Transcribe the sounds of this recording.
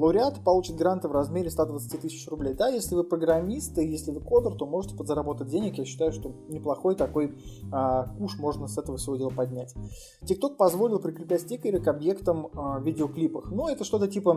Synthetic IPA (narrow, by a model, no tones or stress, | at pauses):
lˠəʊɾʲɪat̪pɐlˠut͡ɕɪt̪ɡɾant̪ɨvrɐzmʲeɾʲɪst̪ad̪vət̪sɨ̥tʲit̪ɨsʲɪt͡ɕrʊblʲejd̪ajesʲlʲɪvɨpɾəɡɾɐmʲist̪ɨjesʲlʲɪvɨko̞d̪ərt̪o̞mo̞ʐɨtʲɪ̥pəd̪zəɾɐbo̞t̪ət̚ʲdʲenʲɪkjaɕːɪ̥t̪ajʊʂt̪o̞nʲɪplˠɐxo̞jt̪ɐko̞jəkuʂmo̞ʐnəsɛt̪əvəsvodʲe̞lˠəpɐdʲnʲætʲ | tʲɪk̚t̪o̞k̚pɐzvo̞lʲɪlˠpɾʲɪkɾʲɪpʲætʲtʲikəɾʲɪkɐbje̞kt̪əmvʲɪdʲɪoklʲipəxnuɛt̪əʂt̪o̞t̪ətʲipə